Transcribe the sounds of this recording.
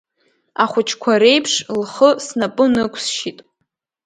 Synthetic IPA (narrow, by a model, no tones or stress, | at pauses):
aχʷʊt͡ʃʰkʷʰaɾe̞jpʰʂlχəsnapʼɨnɨkʷʰsʃitʼ